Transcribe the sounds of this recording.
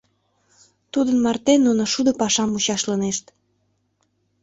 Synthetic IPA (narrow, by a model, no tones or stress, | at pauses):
t̪ud̪ənmɑrt̪enːunoʃud̪opɑʃɑmut͡ɕɑʃləneʃt̪